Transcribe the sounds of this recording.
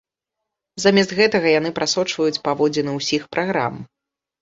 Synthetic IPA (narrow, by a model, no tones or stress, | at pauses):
zamʲɛs̬t̪ɣɛt̪ɐɣɐjan̪ɨpɾʔasɔt͡ʂvɐjut͡sʲpavɔd͡zʲɛnɨwsʲixpɾʔaɣɾa̰m